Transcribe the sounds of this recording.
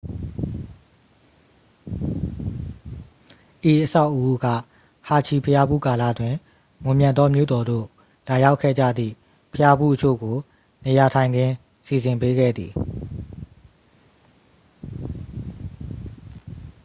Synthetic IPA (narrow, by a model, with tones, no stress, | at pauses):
ʔe˨ʔəsa˦ʊʔəʔu˦ɡa̰˦˨ | ha˨t͡ɕʰi˨pʰəja˦bṵ˦˨ka˨lä̰˦˨dwɪ̃˨ | mʊ̃˨mjã˨t̪ɔ˦mjo̰˦˨dɔ˨d̪o̰˦˨ | la˨ja˦ʊkʰːɛ̰˦˨d͡ʑa̰˦˨d̪ðḭ˦˨ | pʰəja˦bṵ˦˨ʔət͡ɕʰo̰˦˨ɡo˨ | ne˨ja˨tʰã˨ɪ̃ndɪ̃˨ | si˨zɪ̃˨mpe˦ɡɛ̰˦˨d̪ði˨